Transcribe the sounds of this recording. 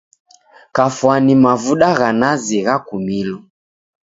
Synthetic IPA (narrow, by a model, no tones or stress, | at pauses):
kafwanimavuɗaɣanaziɣakumilɔ